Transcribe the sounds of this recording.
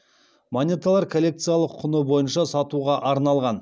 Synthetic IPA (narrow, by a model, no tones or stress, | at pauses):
monʲet̪alˠɑɾkʰolʲːe̞k̚t̪sɨjalˠəqʰːʊnəbo̞jənʃɑsɑt̪uʁɑʔɑɾnɑlˠʁɑn